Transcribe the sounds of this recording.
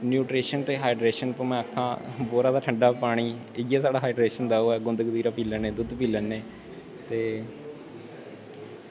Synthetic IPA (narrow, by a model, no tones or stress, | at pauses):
njuːʈɾeːʃənt̪eːɦaːɪɖɾeːʃənpəmɛ̃ːəkʰːãːboːɾaːd̪aːʈʰəɳɖaːpaːɽ̃iːɪɡjaːsaːɖaːɦaːɖɾeːʃənd̪aːoːɛːɡʊnd̪əkɡd̪iːɾaːpiːlənːẽːd̪ʊd̪piːlənːeː | t̪eː